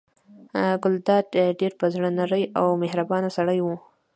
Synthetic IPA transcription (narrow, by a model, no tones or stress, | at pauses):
ɡʊld̪ɑd̪ɖeɾpəzɽənaɾəjawmehɾabɑnasaɽəjwu